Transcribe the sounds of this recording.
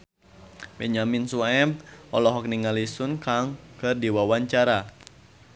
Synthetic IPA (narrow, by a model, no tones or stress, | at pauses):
bɛɲaminsuɛbɔlɔɦɔk̚niŋalisunkaŋkɨrdiwawaɲt͡ʃaɾa